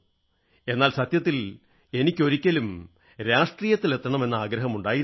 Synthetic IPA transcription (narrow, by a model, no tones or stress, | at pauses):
e̞nːaːlsɐt̪jɐt̪̬ːil | e̞nikʲːo̞ɾikʲːɐlum | ɾaːʂʈriːjɐt̪ːile̞t̪ːɐɳɐme̞nːɐaːɡɾɐɦɐmuɳɖaːjiɾ